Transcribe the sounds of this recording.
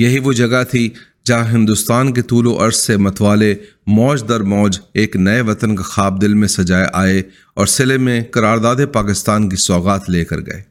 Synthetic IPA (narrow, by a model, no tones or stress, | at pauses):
jɐɦiʋod͡ʒɐɡat̪ʰi | d͡ʒɐ̃ɦɪ̃nd̪ust̪aːnket̪uːloʔɐɾsːemɐt̪ʰʋaːle | mɔːd͡ʒd̪ɐɾmɔːd͡ʒeːknɐeʋɐt̪ənkɐxaːb̚d̪ɪlmẽsɐd͡ʒaːeʔaːe | ɔːɾsɪlemẽkɐɾaːɾd̪aːd̪epaːkɪst̪aːnkisɔːɣaːt̪leːkɐ̰ɾɡɐ̰ḛː